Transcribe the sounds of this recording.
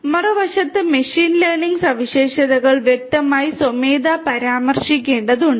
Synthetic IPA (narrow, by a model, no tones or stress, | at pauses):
mɐrɐʋɐʂɐt̪ːɨmeɕiːnlerniŋɡsɐʋiɕeːʂɐðɐɣɐɭʋjek̚t̪ɐmaːjisomeːd̪apɐɾaːmɐrʂik̬ʲːe̞ːɳɖɐðuɳɖɨ